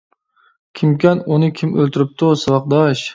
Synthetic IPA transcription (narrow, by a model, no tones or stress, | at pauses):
kʲʰimkʲænunɨkʲʰimølt̪ʰɪɾɪp̚t̪ʰʊsɑvɑq̚d̪ɑʃ